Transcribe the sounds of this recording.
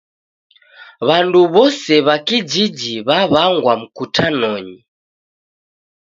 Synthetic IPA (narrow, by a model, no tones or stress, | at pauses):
βanduβɔsɛβakid͡ʒid͡ʒiβaβaŋɡwam̩kutʰanɔɲi